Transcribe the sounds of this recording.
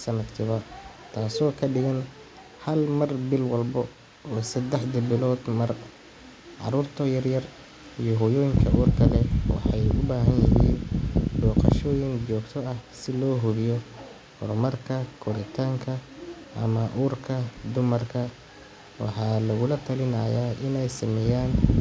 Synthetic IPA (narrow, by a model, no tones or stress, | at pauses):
sɐnɐd̪kʰɪβɐt̪ʰaːsɔːkʰɐɖɪɣɐn | hɐlmɐrbɪlwɑlbɔ | ɔːsɐd̪ɛħd̪ɐbɪlɔːd̪mɐr | ʕɑ̰ɾuːrt̪ʰɔjɐrjɐr | ijɔɦɔjɔːjɪŋkʰɐʔuːrkʰɐlɛwɑ̰ħɑjʊbaːɦɐnjɪɦḭːnbɔːqɑ̰ʃɔːjɪnt͡ʃɔːɡt̪ʰɔɐhsɪlɔːɦʊβɪjɔ | hʊ̰rmɐrkʰɐkʰʊɾɪt̪ʰaːŋkʰɐ | ʔɐmɐʔuːrkʰɐd̪ʊmɐrkʰɐ | wɑ̰ħɑːlɐɣʊlɐt̪ʰɐlɪnɐːjaːʔɪnɛjsɐmɛjaːn